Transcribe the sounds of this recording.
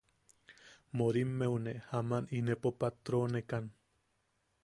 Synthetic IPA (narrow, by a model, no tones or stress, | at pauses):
moɾimːewnehamaninepopat̪ɾonekan